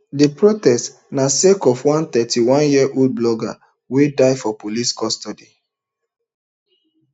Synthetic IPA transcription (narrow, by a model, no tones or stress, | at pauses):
depɹotɛst | nasekɔfwãnt̪ɛtʰiwãnjiɛʔod̚blɔɡa̰ | wedaɪfɔpoliskɔstɔdi